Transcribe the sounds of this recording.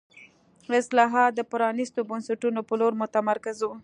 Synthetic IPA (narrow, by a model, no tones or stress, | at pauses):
ɪslɑɦɑt̪̚d̪əpʊɾɑnist̪obansaʈunopəloɾmʊt̪amaɾkɪzu